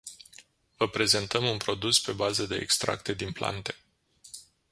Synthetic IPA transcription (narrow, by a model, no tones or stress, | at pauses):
vəpɾe̞ze̞nt̪əmunpɾo̞d̪uspe̞bazəd̪e̞̰ːkst̪ɾa̰k̚t̪e̞d̪inpla̰nt̪e̞̥